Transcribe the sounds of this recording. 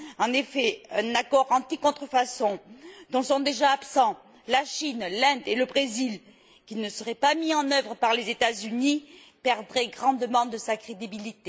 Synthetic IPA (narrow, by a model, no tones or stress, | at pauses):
ɑ̃nefɛɛ̃nakɔʁɑ̃t̪ikɔ̃t̪χəfasɔ̃d̪̥ɔ̃sɔ̃d̪eʒaːpsɑ̃ | laʃinlɛ̃d̪eləbʁezil | kʲinəsəʁɛpamiɑ̃nœvʁəpaʁlezet̪azyni | pɛʁd̪ʁɛɡʁɑ̃d̪əmɑ̃d̪əsakχed̪ibilit̪e